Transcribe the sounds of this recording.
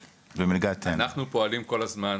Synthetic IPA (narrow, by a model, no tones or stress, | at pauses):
bemilɡat̪ʰaenaχnupo̞alimko̞lazman